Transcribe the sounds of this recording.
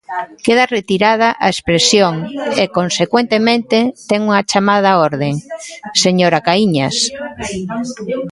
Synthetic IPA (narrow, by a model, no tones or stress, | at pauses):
keðaret̪iɾað̞aʔa̰espɾesjoŋekonsekwent̪emẽnt̪et̪ɛŋuŋat͡ʃamað̞ɐɔɾðeŋseɲoɾakaiɲas